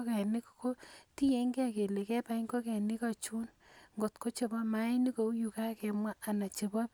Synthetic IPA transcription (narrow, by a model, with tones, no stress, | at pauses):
kɛ˨nɪ˦kko˦ti˦je˨˦ŋɡe˦a˨ke˨le˨kɛ˦pa˦i˦ŋko˦kɛ˨nɪ˦ka˨t͡ʃu˦nŋɡo˨tko˦t͡ʃe˨bɔ˦ma˦ni˦ko˨u˦ju˨ka˦kɛ˨mwaː˦˨na˨t͡ʃe˨bɔ˦p